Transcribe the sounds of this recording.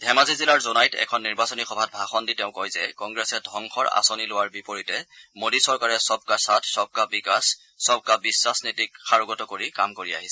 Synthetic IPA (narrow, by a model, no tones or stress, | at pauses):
dʱɛmazizilaɹzonajtʰɛ̰kʰɔnːiɹbasɔnixɔbʱat̚bʱaxɔnditɛʊ̃kɔjzɛkɔŋɡɹɛsɛdʱɔŋxʰɔɹa̰sonilowaɹbipoɹitɛmodisɔɹkaɹɛsɔb̚kasatʰsɔb̚kabikasː | ɔb̚ʱkabiswasnitikxaɹɔɡɔtɔkoɹikamkoɹia̰ɦisɛ